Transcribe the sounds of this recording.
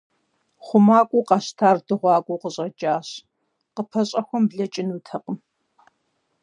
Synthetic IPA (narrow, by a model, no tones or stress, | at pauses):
χʷʊmaːkʷʼuːqɑɕtʰaːrdɨʁʷɑːkʷʼuːqəɕʼɐd͡ʒʼaːɕ | qəpʰɐɕʼɐxʷɔmbɮɐt͡ʃʼɪnuːtʰɐqəm